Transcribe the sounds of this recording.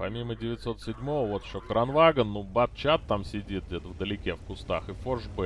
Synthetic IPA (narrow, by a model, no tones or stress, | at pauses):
pɐmʲimədʲɪvʲɪt̪so̞t̪sʲɪdʲmo̞vəvo̞t̪ɪ̥ɕːokəɾɐnvaɡənːubɐt̪̚t͡ɕat̪ːamsʲɪdʲit̪̚dʲet̪əvd̪əlʲɪkʲefkʊst̪axɨfoʐbɨ